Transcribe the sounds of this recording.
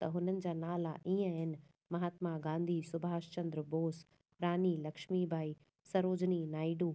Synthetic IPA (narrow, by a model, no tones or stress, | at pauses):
t̪ɐɦʊnənɪ̆d͡ʑaːnaːlaʔiːə̃ɦɪnɪ̆ | mɐɦaːt̪maɡãːnd̪ʱisʊbʱaːʃt͡ɕɐ̃nd̪ɾboːs | pɾaːnilɐkʃmibʱaːi | sɐɾoːd͡ʑninaːɪɖuː